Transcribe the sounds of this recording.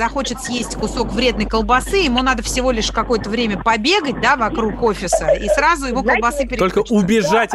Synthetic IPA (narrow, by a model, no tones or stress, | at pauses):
zɐxo̞t͡ɕɪt̪sjesʲtʲkʊso̞kvɾʲe̞d̪nəjkəlˠbɐsɨɪmunad̪əfsʲɪvo̞lʲɪʂkɐko̞jət̪əvɾʲemʲəpɐbʲe̞ɡət̚ʲd̪avɐkɾukofʲɪsəḭsɾazʊjɪmukəlˠbɐsɨpʲɪɾɪolʲkəʊbʲɪʐatʲ